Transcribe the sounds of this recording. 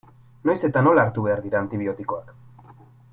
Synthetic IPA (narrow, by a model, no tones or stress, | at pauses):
no̞jse̞t̪ano̞laːɾt̪uβe̞aɾðiɾaːnt̪iβ̞io̞t̪iko̞ak